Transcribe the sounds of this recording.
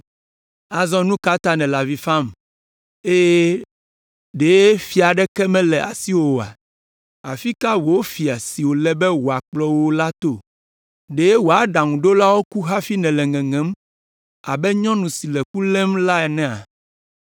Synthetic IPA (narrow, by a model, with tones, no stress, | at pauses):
a˨zɔ̃˦nũ˦ka˦t̪a˦nɛ̃˨la˨vi˨fa˦m | e˦je˦ | ɖe˨je˦fi˨a˨ɖɛ˦kɛ˦mɛ̃˦lɛ˨ʔa̰˨si˦wo˨a̰˨ | a˨fi˦ka˦wo˨wo˦fi˨a˨si˨wo˨lɛ˦bɛ˦wo˨a˨k͡plɔ˦wo˦la˦t̪o˦ | ɖe˨je˦wo˨a˨˦ɖa˨ŋũ˨ɖo˦la˦wo˦ku˦ɦa˦fi˦nɛ̃˨lɛ̃˨ŋɛ̃˨ŋɛ̃˨˦m | a˨bɛ˦ɲɔ̃˦nũ˨si˨lɛ˨ku˦lɛ̃˦mla˦ɛ˨nɛ̃˦a̰˨